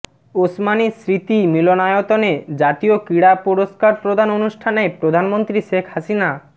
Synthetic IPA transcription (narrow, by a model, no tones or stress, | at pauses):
osmanisɾit̪imilonajot̪oned͡ʑat̪iokiɽapɔɾoskaɾpɾod̪ʱanonuʃʈʰanepɾod̪ʱanmont̪ɾiʃekʰhasina